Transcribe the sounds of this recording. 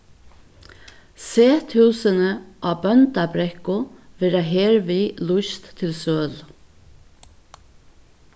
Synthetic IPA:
seːt̪ʰʉːsənəʔaːbœnt̪abɾɛhkʊʋɛːɾaɦeːɹʋiːlʊʃt̪ʰːɪlsøːl

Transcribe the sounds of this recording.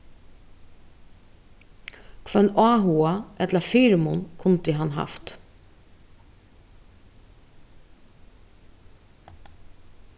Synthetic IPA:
kʰvœnaːɦuːaʔɛt̪ləɾfiːɾmʊnkʰʊnt̪ɪɦanɦɑ̰ft̪

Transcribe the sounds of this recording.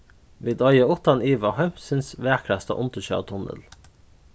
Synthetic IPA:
ʋiːd̪ɑjəʊt̪ɑniːʋɑhœmsʏnsʋeːkʰɽæst̪ɑ̰ʔʊnt̪əʃø̰ːt̪ʰʊnə̰l

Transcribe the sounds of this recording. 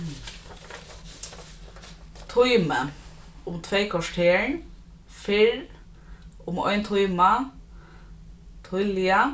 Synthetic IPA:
t̪ʰʊʏmə | ʊmt̪ʰʋeɪkʰɔʃʈʰeːɳ | fɪɹ | ʊmɔ̰ʏnt̪ʰʊʏmɑ | t̪ʰʊʏljɑ

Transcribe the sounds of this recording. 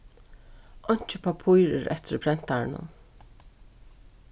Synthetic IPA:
ɔɲ̥t͡ʃɪpʰapʰujɾɪ̰ɾʔɛ̰t̪ʰɪɾpʰɾɛn̥t̪aɹɪnʊ̰n

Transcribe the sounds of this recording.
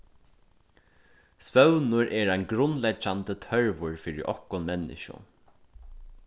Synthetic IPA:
sʋœwnʊɹʔɛːɹajnɡɾʊnlɛt͡ʃant̪ət̪ʰœɹʋʊɹfiːɹɪ̰ʔɔhkʊnmɛnːɪ̰ʃʊ̰

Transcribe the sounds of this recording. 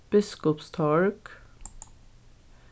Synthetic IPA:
b̥ɪskʊpst̪ʰɔɹk

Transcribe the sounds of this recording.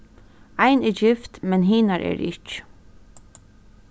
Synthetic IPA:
ajnɪd͡ʒɪft̪mɛnɦiːnaɹʔɛ̰ɹɪ̰t͡ʃ

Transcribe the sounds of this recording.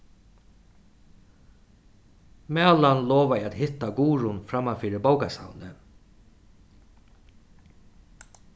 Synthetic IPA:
mɛalanloːʋajat̪hɪt̪ːaɡuːɾʊnfɾamafiːɾɪbawkasa̰wnə

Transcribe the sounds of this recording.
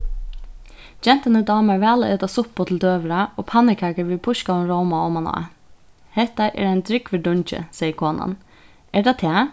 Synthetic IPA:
d͡ʒɛnt̪ənəd̪ɑːməʋæːləʔeːt̪ɑsʊpːot̪ʰl̩d̪øːʋəɾɑʔoːpʰɑnɪkʰɑkəɾʋɪpʰʊʃkɑɔnɾoʊmɑɔːmɑnɑ̰ | hɛt̪ɑʔɛ̰ːɖæɪnd̪ɾʏkʋəɖʊɲçə̰sɛːjəkʰoːnɑ̰n | æɖɑt̪ʰæː

